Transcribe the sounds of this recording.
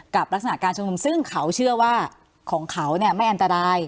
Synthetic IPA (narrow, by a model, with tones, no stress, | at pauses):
ka˨˩p̚ɾa˦˥k̚sa˧na˨˩kaː˧nt͡ɕʰu˧msɯ˥˩ŋkʰa˦˥wt͡ɕʰɯ˥˩ɐwaː˥˩ | kʰɔː˩˦ŋkʰa˦˥wni˥˩ɐma˥˩jʔa˧nt̪a˧ɾaː˧j